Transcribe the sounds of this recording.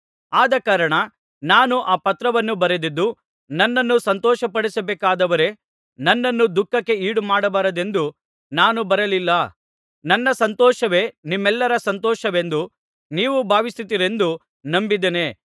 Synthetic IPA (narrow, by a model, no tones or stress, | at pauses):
aːd̪ɐkaːɾɐɳɐ | naːnuʔaːpɐt̪ɾɐʋɐnːubɐɾed̪id̪ːu | nɐnːɐnːusɐnt̪ɔːʃɐpɐɽisɐbɛːkaːd̪ɐʋɐɾe̞ | nɐnːɐnːud̪ukːɐkːe̞iːɽumaːɽɐbaːɾɐd̪e̞nd̪u | naːnubɐɾɐlilːɐ | nɐnːɐsɐnt̪ɔːʃɐʋe̞ːnimːɛlːɐɾɐsɐnt̪ɔːʃɐʋe̞nd̪u | niːʋubʱaːʋisit̪iɾe̞nd̪u | nɐmbid̪ene̞ː